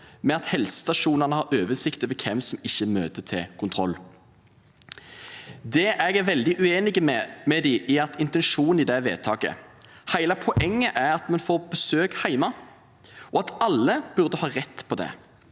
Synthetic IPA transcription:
mɛɑt̪hɛlsə̥st̪ɑʃuːnənəhɑɾøːʋəsɪkt̪əʋɛkʰɛmsɔmɪçːəmø̰ːt̪ət̪ʰɪ̰kʰʊnt̪ʰʁɔlː | d̪ɛʔɛɡæɾʋɛld̪ɪʔʉeːnɪɡəmɛmɛd̪ɪʔɪɑt̪ɪnt̪ɛnʃuːnn̩ɪd̪ɛʋḛːt̪ʰɑːkə̰ | hæɪlɑpʰɔʔɛŋːəʔæʁɑt̪mɛnfoːɾbəsøːkhæɪmɑ | ɔɑt̪ɑlːəb̥ʉʁd̪əhɑːɾɛt̪ːpʰɔd̪ɛ̰

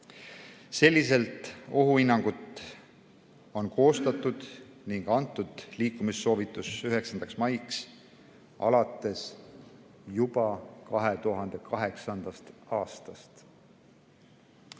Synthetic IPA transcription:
se̞lʲːis̬e̞lt̪ˑo̞ɦuinːɑŋɡ̥ut̪ | o̞nko̞ːst̪ɑt̪ːˑud̪̥ | niŋɡ̥ɑnt̪ːˑud̪̥liːkːumisːo̞ːvit̪ːˑusyɦe̞ksɑnd̪̥ɑksmɑjks | ɑ̰lɑt̪ːˑe̞s | jubɑkɑɦe̞t̪uɦɑnd̪̥e̞kʰɑɦe̞ksɑnd̪̥ɑst̪ɑːst̪ɑst̪

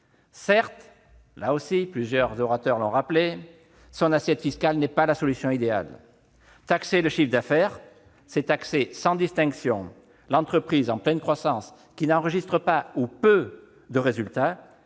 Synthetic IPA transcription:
sɛʁt̪ | laosiplyzjœʁzɔʁat̪œʁlɔ̃ʁaple | sɔ̃nasjɛt̪fiskalnɛpalasɔlysjɔ̃id̪ea̰l | t̪akseləʃifd̪afɛʁ | sɛt̪aksesɑ̃d̪ist̪ɛ̃ksjɔ̃ | lɑ̃t̪χəpχizɑ̃plɛnkχwasɑ̃s | kʲinɑ̃ʁəʒist̪χəpaupø | d̪əʁezylt̪a

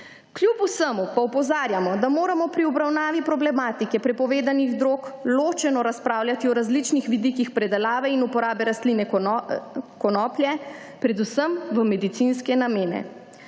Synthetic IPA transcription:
kljupusəmupaupɔzaːɾjamɔd̪amoːɾamɔpɾiɔbɾawnaːʋipɾɔblɛmaːt̪ikɛpɾɛpɔʋeːd̪aniɣd̪ɾoːkloːt͡ʃɛnɔɾaspɾaːwlʲjat̪iɔɾazlit͡ʃnixʋid̪ikixpɾɛd̪ɛlaːʋɛinupɔɾaːbɛɾast̪linɛ | kɔnɔːpljɛ | pɾɛd̪usəmʋəmɛd̪it̪sinskɛnameːnɛ̰

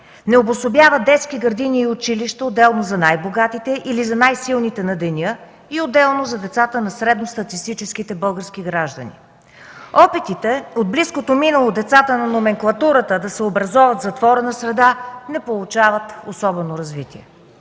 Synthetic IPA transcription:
nɛobosobjavəd̪ɛt̪skiɡɐɾd̪iniːʊt͡ʃiliʃt̪ɐod̪ːɛlˠnozɐnajboɡat̪it̪ɛʔilizɐnajsilˠnit̪ɛnɐd̪ɛnʲɤ | iod̪ːɛlˠnozɐd̪ɛt̪sat̪ənɐsɾɛd̪nost̪ɐt̪ist̪it͡ʃɛsk̟it̪ɛbɤlˠɡəɾsk̟iɡɾaʒd̪ə̰nḭ | ɔpɛt̪it̪ɛod̪̚bliskot̪ominəlˠod̪ɛt̪sat̪ənɐnomɛŋklˠɐt̪uɾət̪əd̪ɐsɛobɾɐzɔvɐt̪zɐt̪vɔɾənɐsɾɛd̪anɛpolˠut͡ʃavət̪osɔbɛnoɾɐzvit̪iɛ̰

